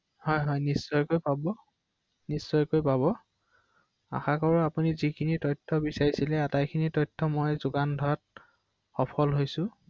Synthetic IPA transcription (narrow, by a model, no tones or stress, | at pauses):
hɔjɦɔjnisːɔjkojpabɔ | nisːɔjkojpabɔ | a̰xakɔɹɔapunizikʰinitɔjtʰːɔbisaɹisilɛatajkʰinitɔjtʰːɔmojzʊɡandʱɔɹat̚ | xɔpʰɔlɦojsʊ̃